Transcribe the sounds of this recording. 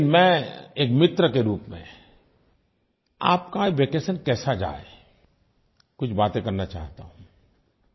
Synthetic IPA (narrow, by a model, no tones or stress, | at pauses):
nmɛ̃ːeːkmɪt̪ɾəkeɾuːpmḛ̃ | a̰ːp̚kaeʋeːkeːsənkɛːsad͡ʒa̰ːḛ | kʊt͡ʃʰbaːt̪ẽkɐɾnat͡ʃa̰ːɦt̪aɦũ